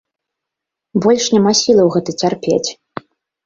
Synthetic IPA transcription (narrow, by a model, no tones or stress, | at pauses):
bɔlʲʂnʲamasʲilˠɐwɣɛt̪ɨt͡sʲarpʲḛt͡sʲ